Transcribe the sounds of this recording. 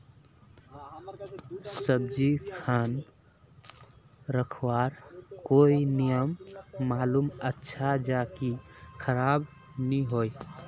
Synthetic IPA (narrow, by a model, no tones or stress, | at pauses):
səb̚d͡ʒikʰan | ɾəkʰwaɾkoinijəmːaːlumətːʃʰad͡ʒakikʰəɾab | niɦoj